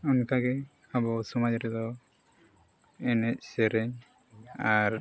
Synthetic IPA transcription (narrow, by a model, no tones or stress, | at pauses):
ɔnkaɡɛ | abɔsɔmad͡ʒɾɛd̪ɔ | ɛnɛc̚ˀsɛɾɛɲ | aɾ